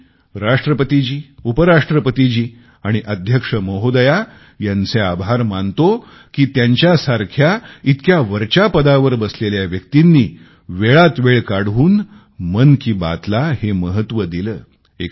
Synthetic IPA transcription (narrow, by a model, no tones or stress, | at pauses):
ɾaʂʈɾəpət̪id͡ʑiːupəɾaʂʈɾəpət̪id͡ʑiː | aɽ̃iʔəd̪ʱjəkʂəməɦod̪əja | jãnt͡seabʱaɾmant̪o | kiːt̪jaɲt͡ɕjasaɾkʰjait̪kjaʋəɾt͡ɕapəd̪aʋəɾbəsleljaʋjək̚t̪inːiː | ʋeɭat̪ʋeɭkaɽ̤ʋuːn | mənkiːba̰t̪laheməɦət̪ːʋəd̪iləː | ek